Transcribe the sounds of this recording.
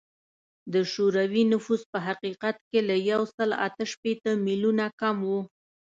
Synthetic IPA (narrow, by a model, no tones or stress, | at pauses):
d̪əʃuɾawinʊfuspəɦaqiqat̪kelajawsəla̰t̪əʃpet̪əmilunakamwu